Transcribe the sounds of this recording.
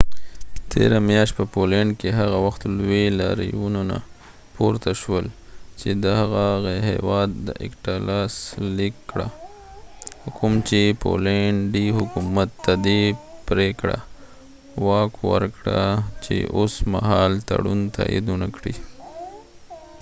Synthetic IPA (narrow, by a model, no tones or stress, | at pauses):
t̪ʰḛɾamjɑʃt̪̚pəpoleɳɖkeɦaɣawaxt̪lwela̰ɾḭjunona̰ | poɾt̪aʃwəlt͡ʃed̪əhaɣaɣehḛwɑd̪ːə̰ʔɪ̰kʈalɑslikːɽa | kʰʊmt͡ʃepʰo̰leɳɖihʊkumat̪ːad̪epɾekɽa̰ | wɑkwə̰ɾkɽat͡ʃḛʔosma̰ɦɑlt̪a̰ɽunt̪ʰa̰jʔḭd̪unakɽi